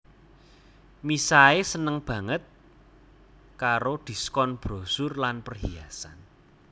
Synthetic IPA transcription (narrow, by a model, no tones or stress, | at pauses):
misaesənəŋb̥ä̤ŋət̪̚ | kaɾod̪̥i̤skɔnb̥ɾo̤sʊrlanpərɦiasan